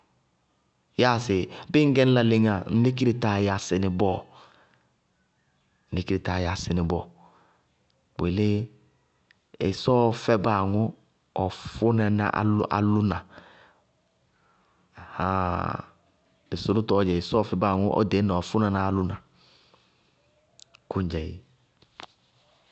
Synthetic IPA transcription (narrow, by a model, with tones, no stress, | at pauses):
ja˦˨sɪ˨bɪ˦ŋ̩˦ɡɛ˦n˦la˨le˨ŋa˨n̩˦le˦k̬i˦ɾe˨ta˨ja˨sɪ˨nɪ˨bɔː˦˨ | n̩˦˨e˦ki˦ɾe˨ta˨ja˨sɪ˨nɪ˨bɔː˨ | k͡pe˨le˦ | ɪ˨sɔː˦fɛ˦ba˦˨ŋʊ˦ | ɔ˨fʊ˦nɛ˨na̰˦ʔa̰˨lʔa̰˨lʊ˦na˨ | ha̰˦ | ɪ˨sʊ˦nʊ˦tɔ˨˦d͡ʒɛ˨ɪ˨sɔ˦˨fɛ˦ba˦˨ŋʊ˦ʔɔ̰˦de˨˦nɛ˨ɔ˨fʊ˦nɛ˦˨na˦a˦˨lʊ˦na˨ | kʊ˦n˦d͡ʒɛ˨ji˨